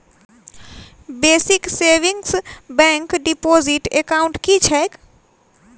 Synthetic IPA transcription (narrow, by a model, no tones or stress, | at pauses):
besikseʋiŋɡsbɛ̃ŋkɖipoziʈekaʊ̃ɳʈkit͡ʃʰɛk